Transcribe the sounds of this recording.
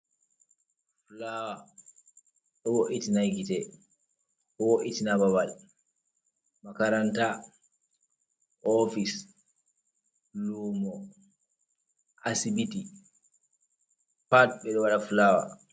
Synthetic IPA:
flawa | ɗɔwoʔitinajɡitɛ | ɔwoʔitinababal | makaɾanta | ɔfis | lumɔ | ʔasibiti | patɓɛɗɔwaɗafulawa̰

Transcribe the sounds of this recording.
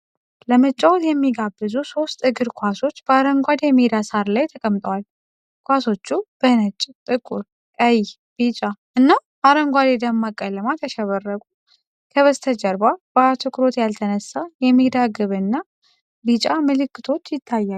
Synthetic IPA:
ləmət͡ʃʼːawt̪jɛmːiɡabːɨzuso̞st̪ʼɨɡɨɾkʰʷaso̞t͡ʃːb̥əaɾəŋɡʷad̪jɛmid̪asaɾlajt̪ʰəkʼəmt̪ʼəwal | kʷaso̞t͡ʃːub̥ənət͡ʃʼːt̪ʼɨkʼuɾ | ʔəj | b̥it͡ʃʼaʔɨnːabaɾəŋɡʷad̪ed̪əmːakʼːələmat̪ʰəʃɛβərːəkʼu | kʰəβəst̪ʰəd͡ʒəɾbab̥at̪ʰɨkʰʼɾo̞t̪jalt̪ʰənəsːajɛmːid̪aɡɨβɨnːa | bit͡ʃʼamɨlɨkːɨt̪ʰo̞t͡ʃːjɪt̪ʰːajːa

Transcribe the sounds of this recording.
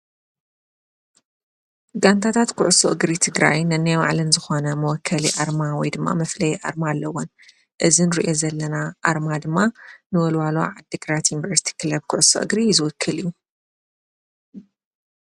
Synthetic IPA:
ɡant̪ʰat̪ʰat̪kʰʊʕʊsoʔɨɡɾit̪ʰɨɡɾajnɐnːajma̰ʕlɨnzɨxo̞nɐmɐwɔkʰːɐliʔaɾmawɔjd̪ɨmːa̰mɐflɐjʔa̰ɾmalːɐwon | ʔɨzinɨɾḭʔo̞zɐlːɐnaʔaɾmad̪ɨmːanɨwɔlwalo̰ʕad̪ːɨɡɾat̪junivɐɾsi̥t̪ʰi̥kʰɨlɐb̚kʰʊʕʊso̰ʔɨɡɾizɨwɔkʰːɨlijːu

